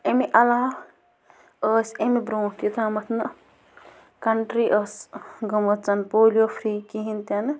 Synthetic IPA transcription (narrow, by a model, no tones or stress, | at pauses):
emiʔɐlaː | əːsemibɾoːʈ̪it̪ʰamɐt̪ʰnɨ | kɐɳʈɾiʔəsɡɐmɐt͡sɐnpoːliofʰɾiːkiɦint̪ɐn